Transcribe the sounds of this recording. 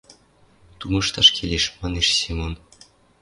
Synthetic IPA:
t̪umɤʃt̪ɑʃkʰelʲeʃmɑneʃsimon

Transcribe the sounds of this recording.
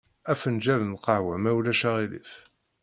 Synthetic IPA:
æfənd͡ʒælənqɑhwæmæwlæʃæʁilḭf

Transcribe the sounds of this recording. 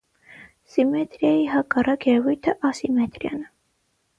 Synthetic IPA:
simɛt̪ɾjɑjiɦɑkɑrɑkʰjɛɛvujt̪ʰəʔɑsimɛt̪ɾjɑ̰nə

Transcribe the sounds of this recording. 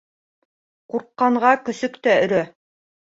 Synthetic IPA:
quɾqːɑɴʁɑkɵ̆sɵkt̪æɵ̆ɾæ

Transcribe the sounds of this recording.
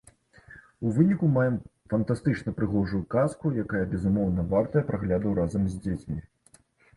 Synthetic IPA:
uvɨnʲikumajɛmfɐnt̪ast̪ɨt͡ʂn̪ɐpɾɨɣɔʐujukaskujakajɐbʲɛzumɔwnɐvart̪ɐjɐpɾʔaɣlʲad̪ɐwɾazɐmzʲd͡zʲet͡sʲmʲi

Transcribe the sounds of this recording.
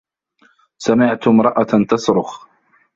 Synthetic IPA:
samɪʕt̪ʊmɾˤɑʔat̪ɑsɾʊx

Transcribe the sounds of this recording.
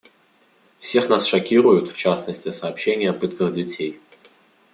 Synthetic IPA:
fsʲe̞xnasʂɐkʲiɾʊjʊt̪ft͡ɕasnəsʲtʲɪsɐːpɕenʲɪjəɐpɨt̪kəɣdʲɪtʲej

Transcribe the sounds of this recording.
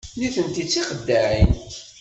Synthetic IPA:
niθənt̪it͡sːiχəd̪ːaʕin

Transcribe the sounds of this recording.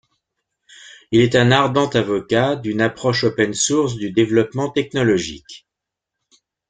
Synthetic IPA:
ilɛt̪ɛ̃naʁd̪ɑ̃t̪avɔkad̪ynapχɔʃopɛnsuʁs̬d̪yd̪evlɔpmɑ̃t̪ɛknɔlɔʒḭk

